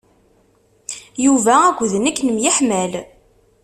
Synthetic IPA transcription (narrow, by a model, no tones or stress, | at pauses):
juvææɡʷðənækːnəmjəħmæl